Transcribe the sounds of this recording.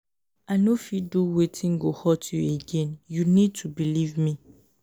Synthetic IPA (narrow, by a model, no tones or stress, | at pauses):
anofiduwetʰĩnɡohɔtʰjueɡɛ̃njunid̚tʰubilivmĩ